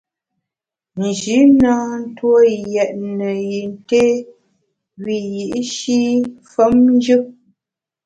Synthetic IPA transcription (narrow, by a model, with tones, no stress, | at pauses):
n̩˨d͡ʒi˨˦na˦n̩˦two˦jɛ˨ʔ̚nə˨ji˨n˦te˦ | wi˨ji˨ʔʃi˦fə˦mn˦d͡ʒɨ˦